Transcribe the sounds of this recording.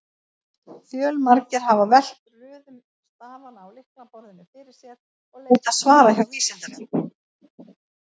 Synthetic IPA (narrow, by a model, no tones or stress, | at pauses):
fjœːlmaɾcɪɾ̥ɦavavɛl̥t̪rʏːðʏm | st̪aːvanaːwlɪhknapɔɾðɪnʏfɪɾɪɾ̥sjɛð | ɔɣleːjt̪asvaːɾaɛçawfiːsɛnt̪aɾɪ